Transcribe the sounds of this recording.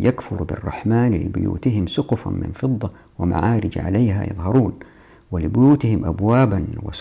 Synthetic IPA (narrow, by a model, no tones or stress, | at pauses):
jʔakfʊɾbɪ̰rˤːɑ̰ħmaːnlɪ̰bʊ̰jṵːt̪ɪɦɪmsʊqʊfmɪ̰nfɨd̪ˤːɑ | wɪma̰ʕaːɾɪd͡ʒaʕa̰lajɦa̰jɑ̰ðˤɦɑɾˤuːn | wɪlɪbʊjuːt̪ɪhɪmʔabwaːbanwɪ̰s